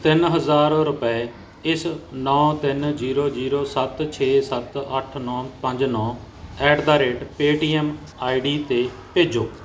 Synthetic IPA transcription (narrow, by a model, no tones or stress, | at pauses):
t̪ɪnɦəzaːɾɾʊpɛ | ɪsnɔ̃ːt̪ɪnziːɾoːd͡ʒiːɾoːsət̪t͡ʃʰeːsət̪əʈʰnɔ̃ːpəɲd͡ʒnɔ̃ː | ɛːʈd̪aːɾeːʈpeːʈiːɛm | aːiɖiːt̪eː | peːd͡ʒoː